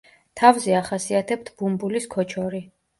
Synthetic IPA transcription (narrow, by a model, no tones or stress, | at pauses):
t̪ʰavzɛaχasiat̪ʰɛp̚t̪ʰb̥umbuliskʰɔt͡ʃʰɔɾi